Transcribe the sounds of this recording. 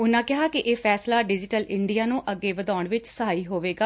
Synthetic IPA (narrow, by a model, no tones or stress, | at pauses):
ʊnãːkɪɦaːkɪʔeːpʰɛːslaːɖɪd͡ʒɪʈəlɪɳɖijaːnũːʔəɡːeːʋəd̪aːʊɳʋɪt͡ʃsaːiːɦoːʋeːɡaː